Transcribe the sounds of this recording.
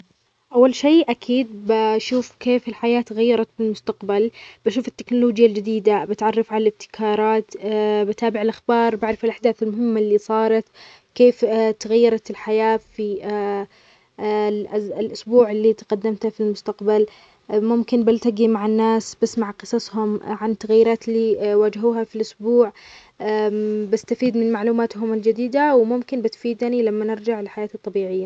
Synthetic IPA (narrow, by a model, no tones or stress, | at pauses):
ʔawːalʃeːʔakʰiːd̪̚baʃuːfkeːfɪlħajaːt̪ɣajːɑɾˤɑt̪fɪlmʊst̪aqbalb̥aʃuːfɪt̪ːɪknʊloːd͡ʒjald͡ʒɪd̪iːd̪abɪt̪ʕɑrˤːɑfʕalalɪb̚t̪ɪ̥kʰɑːɾˤɑːt̪bɪt̪aːbɪʕɪlʔaxbɑːɾˤbaʕɾˤɑfɪlʔaħd̪aːθɪlmʊhɪmːalːiːsˤɑːɾˤɑt̪ | keːft̪aɣajːɑɾˤɑt̪ɪlħajaːfi | lʔʊsbuːʕɪlːit̪aqad̪ːamt̪afilmʊst̪aqbal | mʊmkɪnbɪlt̪aɡimaʕanːaːsbɪsmaʕqɨsˤɑshʊmʕant̪aɣajːɪɾaːt̪liwaːd͡ʒɦuːɦafilʔʊsbuːʕ | bɪst̪afiːd̪mɪnmaʕluːmaːt̪ɦʊmɪld͡ʒad̪iːd̪awmʊmkɪnbɪt̪fiːd̪nilamːanɪɾd͡ʒaʕlɪħajaːt̪ɨt̪ˤːɑbiːʕɪjːa